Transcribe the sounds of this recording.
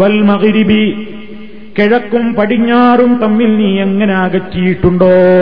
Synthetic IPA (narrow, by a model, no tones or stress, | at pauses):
ʋɐlmɐɣɾibi | keɻɐkːumpɐɽiɲːaːrumt̪ɐmːilniːeŋːɐneaːɣɐtːijiʈːuɳɖoː